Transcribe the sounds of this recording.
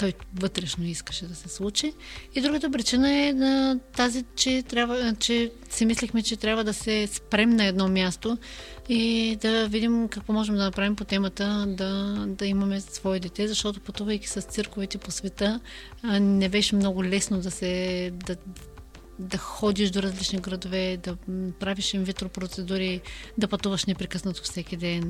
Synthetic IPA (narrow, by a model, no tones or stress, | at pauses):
t̪ɔjvɤt̪ɾɛʃnoiskə̥ʃɛd̪ɐsɛslˠut͡ʃiːd̪ɾuɡət̪əp̬ɾit͡ʃinəɛɐt̪azit͡ʃɛt̪ɾʲjabt͡ʃɛ | sɛmislixmɛt͡ʃɛt̪ɾʲabvəd̪ɐsɛspɾɛmnɐɛd̪nɔmʲjast̪o | id̪ɐvid̪imkɐkvɔmɔʒɛmd̪ɐnɐpɾavimpot̪ɛmət̪əd̪ɐd̪ɐimɐmɛsvɔɛd̪ɛt̪ɛzɐʃt̪ɔt̪opɐt̪uvɐjki̥sɐst̪sɤɾkovit̪ɛposvɛt̪ɤ | nɛbɛʃɛmnɔɡʊlɛsnod̪ɐsɛd̪ɐ | d̪ɐxɔd̪iʃd̪oɾɐzlit͡ʃniɡɾɐd̪ovɛd̪ɐpɾaviʃimvit̪ɾopɾot̪sɛd̪uɾid̪ɐpɐt̪uvɐʃnɛpɾɛkɤsnɐt̪ofsɛkʲid̪ɛn